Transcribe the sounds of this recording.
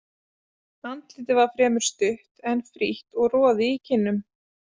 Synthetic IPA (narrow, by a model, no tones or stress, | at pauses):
nant̪lɪːt̪ɪvaɾ̥fɾɛːmʏɾ̥st̪ʏht̪ɛnfɾiht̪ɔɣrɔːðɪicʰɪnːʏm